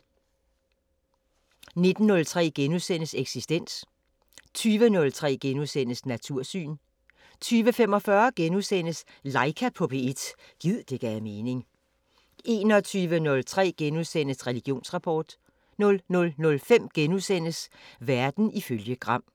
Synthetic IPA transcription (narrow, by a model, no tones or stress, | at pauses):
ne̝d̥n̩ːɔ̽lt͡sʰʁɛ̰ːɡ̥enusen̰əseɡ̥sisd̥en̰s | t͡sʰyːʋənɔ̽lt͡sʰʁɛ̰ːɡ̥enusen̰əsnæt͡sʰuɐ̰sy̰ːn | t͡sʰyːʋəfem̰ɒ̽fɶɐɡ̥enusen̰əs | lɑ̈ɪkʰæpʰɔ̽pʰe̝ed̥ | ɡ̥ið̰ˠd̥e̝ɡ̥æme̝ːne̝ŋ | e̝ːnɒt͡sʰyːʋənɔ̽lt͡sʰʁɛ̰ːɡ̥enusen̰əsʁɛliɡ̥jo̝̰ːnsʁɑ̈pʰɒːd̥ | nɔ̽lnɔ̽lnɔ̽lfem̰ɡ̥enusen̰əsʋæɐd̥n̩iføljəɡ̥ʁɑ̈m̰